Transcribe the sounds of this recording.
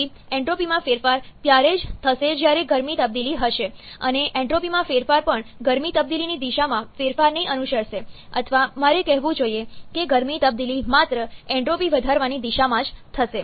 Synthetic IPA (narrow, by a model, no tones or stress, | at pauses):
i | ɛ̃ɳʈɾopimãfeɾfaɾt̪jaɾed͡ʒt̪ʰəʃed͡ʒjaɾeɡəɾmit̪əb̚d̪iliɦəʃeə̰neʔɛ̃ɳʈɾopimãfeɾfaɾpəɳɡəɾmit̪əb̚d̪ilinid̪iʃamãfeɾfaɾnəĩʔənuʃəɽʃe | ə̰t̪ʰəʋamaɾekɛɦʋũd͡ʒoiekeɡəɾmit̪əb̚d̪ilimat̪ɾəɛ̃ɳʈɾopiʋəd̪ʱaɾʋanid̪iʃamãd͡ʒt̪ʰəʃe